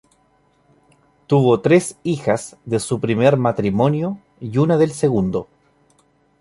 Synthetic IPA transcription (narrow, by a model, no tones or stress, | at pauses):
t̪uβot̪ɾesixasðe̞supɾimeɾmat̪ɾimo̞njo | iunaðelseɣund̪o̞